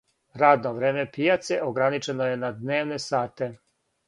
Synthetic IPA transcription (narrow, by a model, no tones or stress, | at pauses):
ɾaːd̪noʋɾeːme̞pijat̪seʔoɡɾanit͡ʃenoje̞nad̪ne̞ːʋnesaːt̪e